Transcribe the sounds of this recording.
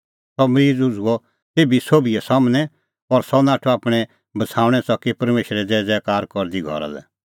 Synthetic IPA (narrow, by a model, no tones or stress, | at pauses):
sɔmɾiːd͡zʊd͡zʱuɔ | t̪eːbisoːbiɛsamnɛ̃ | ɔɾsɔnaːʈʰɔaːpɽ̃ɛ | bɐsʰaːʊ̃ɽ̃ɛsɔkːipɐɾmeːʃɾɛd͡zɛːd͡zɛkaːɾkɔɾd̪iɡʱɔ̰ɾa̰lɛ̰